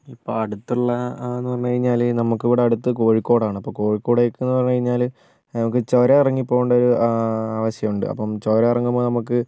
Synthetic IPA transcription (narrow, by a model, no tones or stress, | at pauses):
ipːo̰ːɐɽut̪ːuɭːɐenːɨɐmːɐkɐɻiɲːaːlnɐmukːɨiʋiɽeɐɽut̪ːɨko̞ːɻikːo̞ːɽaːɳɨɐpːoːko̞ːɻikːo̞ːɽejkːɨenːɨpɐrɐɲːukɐɻiɲːaːl | nɐmukːɨt͡ɕoːɾeirɐŋːipːo̞ːɣuɳɖɐoɾuaːʋɐɕjɐmuɳɖɨ̰ɐ̰pːɐmt͡ɕoːɾeirɐŋːumoːnɐmukːɨ